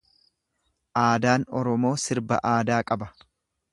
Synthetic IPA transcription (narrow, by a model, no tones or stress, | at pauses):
ʔaːd̪aːnɔɾɔmo̞ːsɪɾbɐ̰ʔaːd̪aːkʼɐbɐ